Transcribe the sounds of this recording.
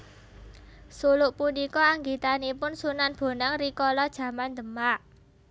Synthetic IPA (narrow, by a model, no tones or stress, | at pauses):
sulʊʔpunikɔaŋɡit̪anipʊnsunanb̥o̤naŋrikɔlɔd̥ʒ̥ä̤mand̪ə̤maʔ